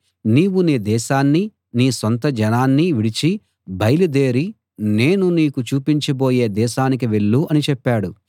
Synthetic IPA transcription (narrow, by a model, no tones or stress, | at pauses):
niːwuniːd̪ɛːʃaːnːi | niːsont̪ɐd͡ʒɐnaːnːiʋiɽit͡ʃi | bɐjlud̪e̞ːɾi | ne̞ːnuniːkut͡ʃuːpiɲt͡ʃibo̞ːje̞ːd̪ɛːʃaːnik̬iʋe̞ɭːuɐnit͡ʃɛpːaːɽu